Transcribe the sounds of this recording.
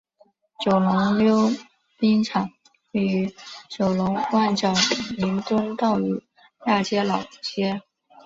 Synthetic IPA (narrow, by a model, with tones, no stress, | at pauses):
t͡ɕjo˨˩ʊlʊ˧˥ŋljo˥ʊ | pi˥ŋʈ͡ʂʰɑ˨˩˦ŋ | we˥˩y˧˥t͡ɕjo˨˩ʊlʊ˧˥ŋwa˥˩nt͡ɕjɑ˨˩ʊli˧˥nt̪wə˥nt̪ɑ˥˩ʊy˨˩ | ja˥˩t͡ɕjɛ˥lɑ˨˩ʊt͡ɕjɛ˥